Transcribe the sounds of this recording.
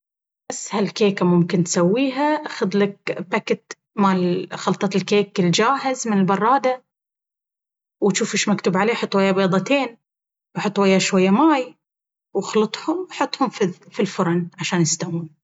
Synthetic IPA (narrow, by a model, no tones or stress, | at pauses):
basːhalkeːkamʊmkɪnt̪sawːiːɦaʔaxʊd̪lak̚bakɪt̪ | malxɑlt̪ˤɑt̪lkeːkːɪld͡ʒaːɦɪzmɪnɪlbɑrˤːɑːd̪a | wɪt̪ʃuːfɪʃmakt̪ʊbʕaleːħɑt̪ˤːwajːabeːd̪ˤɑt̪eːn | wħɑt̪ˤːwajːaʃwajːamaːj | wxlɨt̪ˤhʊmwħɑt̪ˤːhʊmfifilfʊɾˤɑnʕaʃaːnjɪst̪awuːn